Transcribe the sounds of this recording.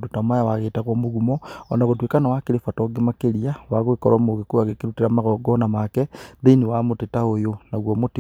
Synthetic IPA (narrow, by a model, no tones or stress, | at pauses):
dutamajawaɣetaɣomuɣumoo̰naɣot̬wikanawakilifatoɡimakeliawaɣwikoɾomuɣikuaɣekiɾutiɾamaɣoɡonamakeðiniwamutitaojonaɣwomuti